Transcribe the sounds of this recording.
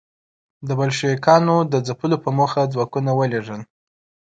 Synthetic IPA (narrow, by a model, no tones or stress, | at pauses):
d̪əbalʃijikɑnod̪əd͡zapəlopəmuxad͡zwɑkunawəleʐəl